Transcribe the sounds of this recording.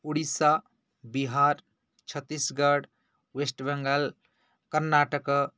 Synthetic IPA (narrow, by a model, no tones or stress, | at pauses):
uɽisa | biɦaɾ | t͡ʃʰət̪ːisɡəɽ | wesʈbɛŋɡəl | kəɾnaʈək